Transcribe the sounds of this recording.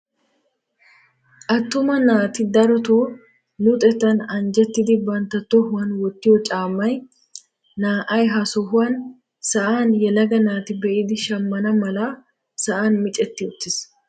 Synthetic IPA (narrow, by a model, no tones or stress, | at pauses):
ʔɐt̪ːʊmɐnaːt̪ɪd̪ɐɾɔt̪oː | nʊt̪ʼɛt̪ːɐnɐnd͡ʒɛt̪ːɪd̪ɪbɐnt̪ɐt̪ːɔhʊɐnwɔt̪ːɪjɔt͡ʃʼaːmːɐj | naːʔɐjɦɐsɔɦʊɐn | sɐʔaːnjɛlɐɡɐnaːt̪ɪbɛʔɪd̪ɪʃɐmːɐnɐmɐlɐ | sɐʔaːnmɪt͡ʃʼɛt̪ːɪʊt̪ːɪs